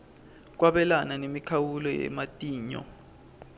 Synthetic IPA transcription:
k̬waɓɛlananemikʰawulɔjɛ̰matʼiːɲɔ̰

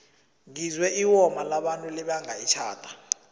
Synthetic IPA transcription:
ŋizwɛʔiwɔmalaɓantʼulɛɓaŋajit͡ʃʰaːtʰʼḁ

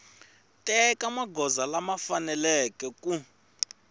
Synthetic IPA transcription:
tʼɛkʼamaɡʱɔzalamafanɛlɛkʼɛkʼu

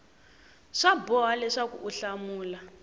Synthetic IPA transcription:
ʂabɔɦalɛʂakuʔuɬamuːla

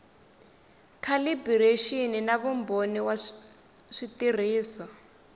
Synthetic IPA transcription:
kʰalibireʃininaβumboniwa | ʂitir̤iːsɔ

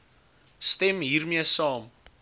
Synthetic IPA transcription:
stɛmɦiːrmiəsɑːm

